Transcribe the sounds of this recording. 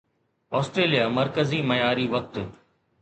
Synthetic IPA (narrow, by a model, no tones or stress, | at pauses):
ɔːsʈɾeːlijamɐɾkəziːmɐjaːɾiʋɐk̚t̪